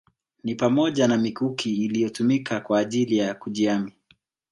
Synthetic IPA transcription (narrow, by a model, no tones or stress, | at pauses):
nipamɔʄanamikukʰiːlijɔtumikakwaːʄilijakuʄiami